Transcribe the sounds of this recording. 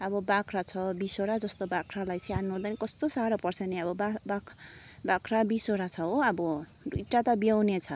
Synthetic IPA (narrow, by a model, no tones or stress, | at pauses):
ʌbʌbakʰrat͡sʰʌbisoɾad͡zʌst̪obakʰralajsianːuɦũd̪anikʌst̪osaɾʌpʌrt͡sʰʌneʌbʌbaba | bakʰrabisoɾat͡sʰʌɦoʌbʌ | duʈːat̪ʌbiawnet͡sʰʌ